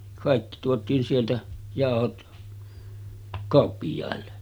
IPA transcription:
kɑˑikːi tuotˑiːn sieltæ jɑˑohot kɑˑopːijˑɑˑelːe

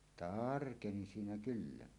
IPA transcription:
tɑrkeni siːnæ kylːæ

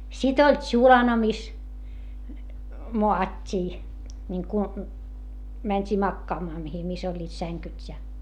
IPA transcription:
sit olʲ tʃulɑnɑ mis moɑtʲːiː niŋku mænʲtʲiː mɑkːɑːmɑː mihi mis olʲːiːt sæŋkytʲ jɑ

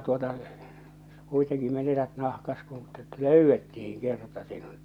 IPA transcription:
tuotɑ kuiteŋki menetæt nɑhkɑs kun e̥tː e̥t løˑywːetːihiŋ kertɑ sinut

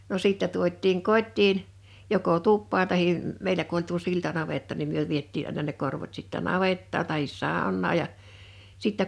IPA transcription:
no siˑtːæ tuotˑiːŋ kotʲtiːn joko tupːɑːn tɑhi mmeilæ ku olʲ tuo siltɑnɑʋetːɑ nim myø ʋietːiː ɑˑinɑ ne korʋot sitːæ nɑʋetːɑːn̥ tɑhis sɑˑonːɑː jˑɑ sitːæ

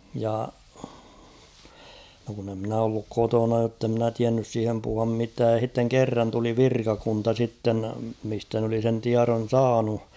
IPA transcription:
jɑ no kun e mnæ olːuk kotonɑ jotːe mnæ tiænːys siːhem puhuɑm mitæːj jɑ h̞itːeŋ kerːɑn tuli ʋirkɑkuntɑ sitːen mistæ n oli sen tiɑron̞ sɑːnu

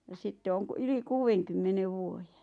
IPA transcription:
jɑ sitːe oŋ k yli kuːw̆eŋkymːeneʋ ʋuoje

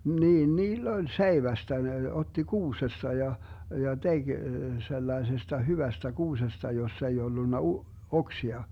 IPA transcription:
niːn niːlː olʲ seiʋæstæ ne otːi kuːsestɑ jɑ jɑ teɡ̊ selːɑesestɑ hyʋæstæ kuːsestɑ josːɑ ei olːunːɑ u oksiɑ

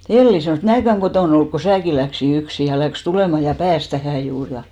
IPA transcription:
elːi sɑnoˑs mnæːkæŋ ɡ̊otoˑn olːuk ko sæːkin̞ læksi yksi jɑ læks tuleˑmɑ jɑ pæːs tæhæ juːr jɑ

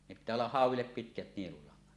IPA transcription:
ne pitːæː olːɑh hɑˑuwˑilːep pitkæt nielulɑŋːɑt

